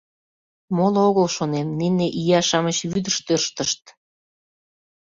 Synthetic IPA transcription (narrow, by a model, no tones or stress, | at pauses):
moloɣəlʃonemnineʔijɑʃɑmət͡ɕβyd̪əʃt̪ørʃt̪əʃt̪